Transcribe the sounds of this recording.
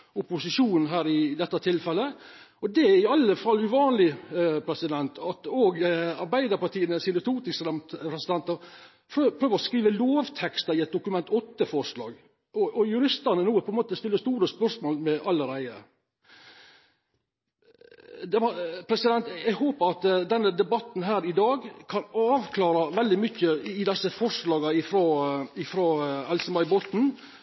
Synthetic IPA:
ʊpʊsɪʂuːn̩ɦæːɾɪd̪ɛt̪ːət̪ʰɪlfɛlːə | ɔd̪ɛɪɑlːəfɑlʉʋɑːnlɪpʰɾɛsɪd̪ɛnt̪ʰɑt̪oːɡɑɾbæɪd̪əɾpɑt̪iːənəsɪnət̪ʰuːt̪ɪsɑmpʰɾɛsɪd̪ɛnt̪ɑ | pʰɾøpʰɾøːʋəɾɔskɾiːʋəloːʋt̪ʰɛkst̪ɑɾɪɛt̪̚d̪ʊkʉmɛnt̪ʰɔt̪ːəfɔʂlɑ̰ːɡ | ɔʔɔjʉɾɪst̪əɾnənuːpʰɔɛnmoːt̪əst̪ɪlːəst̪uːɾəspœɾʂmoːlmɛʔɑlːəɾæɪə̰ | d̪ɛʋɑpʰɾɛsɪd̪ɛnt̪æɪɦoːpəɾɑt̪d̪ɛnːəd̪ɛbɑt̪n̩ɦæːɾɪd̪ɑːɡkʰɑnɑːʋkʰlɑːɾɑʋɛld̪ɪmʏçːəɪd̪ɛsːəfɔʂlɑːɡɑɪfɾoːɪfɾoːɛlsəbɑɪbɔt̪n̩

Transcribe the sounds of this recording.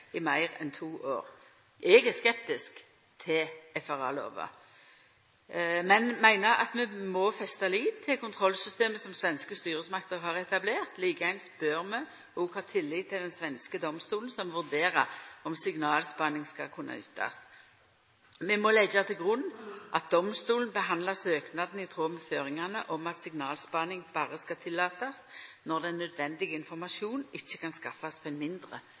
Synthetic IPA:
ɪmæɪʁɛ̰nt̪ʰuːʔoːʁ | ʔɛɡæskɛpt̪ɪsk | t̪ʰɪɛfɑʁɑ̰lo̰ːʋə̰ | mɛnmæɪnəɑ̰t̪mɛmɔfɛst̪ɑliːd̪t̪ʰɪlkʊnt̪ʰʁɔlsʏst̪eːməsɔmsʋɛnskəst̪yːʁəsmɑk̚t̪əʁɦɑːʁɛt̪ɑbleːʁt̪liːkəɛnsb̥øʁmɛ | ɔɡhɑːt̪ʰɪlːɪt̪ʰːɪld̪ɛnsʋɛnskəd̪ɔmst̪uːlən̩sɔmʋʉʁd̪eːʁɑɔmsɪɡnɑːlspɑnɪŋskɑ̰kʰʊnːʔɑ̰ʏ̰ːt̪ʰːɑ̰s | mɛmɔlɛɡɑt̪ʰɪlɡʁʉnːʔɑt̪̚d̪̥ɔmst̪uːln̩bəɦɑnd̪lɑsøːknɑd̪n̩ɪt̪ʰʁoːməføːʁɪŋɑnəʔɔmɑt̪sɪɡnɑːlspɑnɪŋbɑːʁəskɑt̪ʰɪlːɑːt̪ɑsnɔʁd̪ɛnːœd̪ʋɛnd̪ɪɡəɪnfɔʁmɑʂuːnɪçːəkʰɑnskɑfːɑspʰɔɛnmɪnd̪ʁə̰

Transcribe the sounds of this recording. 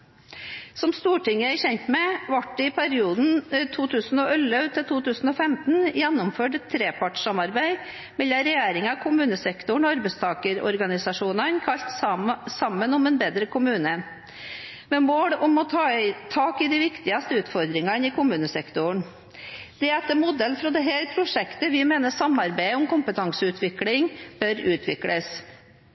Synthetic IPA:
sɔmst̪uːʈɪŋːəæɪçɛnt̪mɛʋɑʈːɛɪpʰæɾɪuːd̪n̩t̪ʰuːt̪ʰʉːsnɔʔœlːœʉt̪ʰɪlt̪ʰuːt̪ʉːsn̩ɔfɛmt̪n̩jɛnːʊmføːʈɛt̪ʰːɾeːpʰɑʈʂɑmɑɾbæɪ | mɛlɑɾɛjeːɾɪŋɑkʰʊmʉːnəsɛkt̪ʊɳɔɑɾbɛɪst̪ʰɑːkəɾɔ̰ɾɡɑnɪsɑʂuːnɑnkʰɑʎt̪sɑmːənɔmɛnbeːd̪ɾəkʰʊmʉːnə | mɛmoːɽɔmɔt̪ʰɑt̪ʰɑːkɪd̪ɪʋɪkt̪ɪɑst̪əʉːt̪fɔɾd̪ɾɪŋɑnɪkʊmʉːnəsɛkt̪ʊɳ | d̪̥ɛɛt̪ːəmʊd̪ɛlfɾɔd̪ɛɦæːɾpʰɾʊʂɛkt̪əʋɪmeːnəʂɑmɑɾbæɪʊmkʊmpət̪ʰɑŋsəʉːt̪ʰʋɪklɪŋb̥œɾʉːt̪ʰʋɪ̰kɽəs

